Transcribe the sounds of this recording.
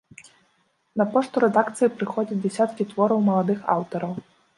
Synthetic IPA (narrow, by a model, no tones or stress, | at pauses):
nɐpɔʂt̪uɾɛd̪akt̪sɨjipɾɨxɔd͡zʲɐt͡sʲdʲd͡zʲɛsʲat̪kʲit̪vɔɾɐwmɐlˠad̪ɨxa̰wt̪ɐɾɐw